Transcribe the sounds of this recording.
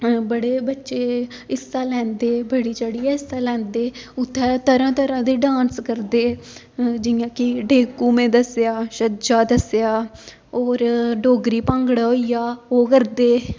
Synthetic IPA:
bəɽeːbətːʃeːɪsːaːlɛ̃ːnd̪eːbəɽiːt͡ʃəɽiːɛːɪsaːlɛ̃ːnd̪eːʊt̪ʰːɛːt̪əɾãːt̪əɾãːd̪eːɖãːnskəɾd̪eː | d͡ʒɪjãːkɪɖeːkuːmẽːd̪əsjaːʃəd͡ʒaːd̪əsjaː | oːɾɖoːɡɾiːpə̃ŋɡəɽaːɦoːijaːoːkəɾd̪eː

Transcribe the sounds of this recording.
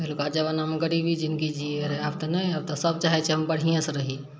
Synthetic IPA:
ɦlukad͡ʒəbanamɡəɽibʱid͡ʒɪnkid͡ʒieɾɦab̚t̪ɐnaɐb̚t̪ɔsəb̚t͡ʃaɦɛt͡ʃʰeɦɐmbəɽ̤ijãsɾəɦi

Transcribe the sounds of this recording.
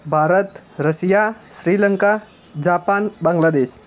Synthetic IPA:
bʱaɾət̪ɾəsijasɾiləŋka | d͡ʑapanbaŋɡlad̪es

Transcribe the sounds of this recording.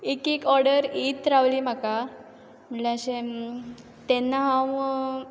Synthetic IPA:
ekekɔɾɽəɾit̪ɾaʋliːm̤aka | m̤əɳleəɕẽ | t̪ɛnːaɦãw

